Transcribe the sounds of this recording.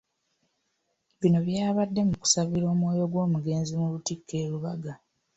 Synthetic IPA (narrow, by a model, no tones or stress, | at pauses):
βino̞βjaːβadːe̞muku̥saβiɾo̞ːmwo̞ːjo̞ɡwo̞ːmuɡe̞ːnzimulutikʰːe̞ːɾuβaɡa